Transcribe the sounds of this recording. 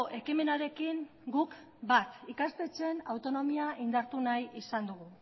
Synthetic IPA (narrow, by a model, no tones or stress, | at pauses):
ʔe̞kime̞naɾe̞kiŋ | ɡuk | bat̪ikast̪e̞t͡se̞nawt̪o̞no̞miaind̪aɾt̪unajisand̪uɣ̞u